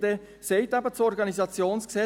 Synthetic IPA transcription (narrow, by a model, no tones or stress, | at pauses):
d̪e | sɛɪt̪abət͡sɔɾɡɑnizɑt͡sjoːnsksɛ